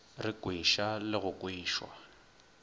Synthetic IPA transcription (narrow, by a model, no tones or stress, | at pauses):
rɪkʼwiʃalɪɣʊkʼwiːʃwa̰